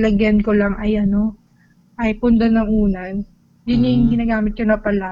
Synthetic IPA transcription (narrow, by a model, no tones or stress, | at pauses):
lɐɡjɐnkolaŋʔɐjɐno̞ | ʔɐjpʊnd̪ɐnɐŋʔuːnɐ | jʊnɪŋɡɪnaːɡaːmɪt̪̚konɐpɐla